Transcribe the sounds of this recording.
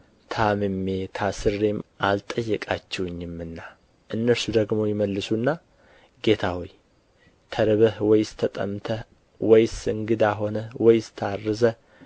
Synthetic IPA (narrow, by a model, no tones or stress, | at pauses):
t̪ʰamɨmːet̪ʰasɨrːemʔalt̪ʼəjːɛkʼat͡ʃːɛwɨɲːɪmːɨnːa | ʔɨnːəɾsud̪əɡmo̞jɪməlːɨsunːa | ɡe̞t̪ʰawoj | t̪ʰəɾɨβəhwɔjst̪ʰət̪ʼə̰mt̪ʰə | wɔjsɨŋɡɨd̪aɦo̞nəwɔjst̪ʰarːɨzə